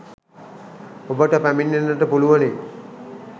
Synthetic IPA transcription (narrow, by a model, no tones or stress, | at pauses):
obəʈəpæminːenːəʈəpuluʋəne